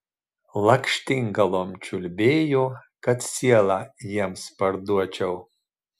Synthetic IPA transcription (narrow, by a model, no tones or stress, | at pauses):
lˠɐkʃʲt̪ʲiŋɡɐlˠoːmt͡ʃʲʊlʲbʲeːjoːkɐt̪sʲiɛlˠɑːjiɛmspɐɾd̪uɔt͡ʃʲɛʊ